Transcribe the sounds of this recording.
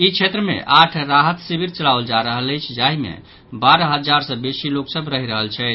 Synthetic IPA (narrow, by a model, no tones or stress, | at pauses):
it͡ʃʰet̪ɾəmḛʔaʈʰɾaɦət̪sibʱiɾt͡ʃəɭaʋld͡ʒaɾəɦələjt͡ʃʰd͡ʒaɦimḛ | baɾəɦəd͡ʒaɾsə̃besiloksəbʱɾəɦiɾəɦəlt͡ʃʰɛt̪ʰ